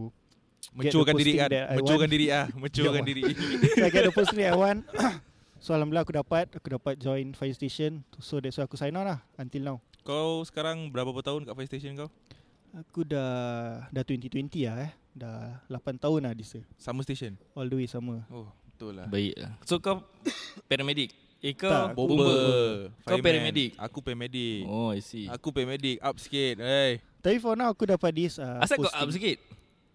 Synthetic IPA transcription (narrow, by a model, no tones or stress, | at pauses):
u | mə̃ɡɛtt͡ʃdkandiɾikadɛamə̃waukandiɾiahmə̃ɲt͡ʃukadiɾiaɡɛt̪̚dəpost̪iŋdɛtajwan | soalamblaakudapat̪̚akudapat̪̚d͡ʒɔjnfajst̪eʃənsodɛsoakusajnɔlahant̪ilnawkalawsə̥kaɾaŋbəɾapapat̪aʊnkaʔfajst̪esənka | akudadat̪wɛnt̪it̪wɛnt̪iaɛ | dalapant̪aʊnahdisəsaməst̪eʃənɔlduwisaməɔhbət̪ʊlːa̰baḭkla̰sokaw | pɛɾamedik̚ | ekaabouobəbəfkampɛɾamɛdik̚a̰kupɛmedikɔisiakupɛmedɪk̚ap̚skit̪̚aj | t̪apifɔnawakudapadisaasakasʔapskit̪̚